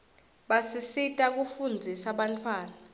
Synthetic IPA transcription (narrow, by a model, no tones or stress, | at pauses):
ɓasisitʼak̬ufund͡zʱisaɓantʰwaːna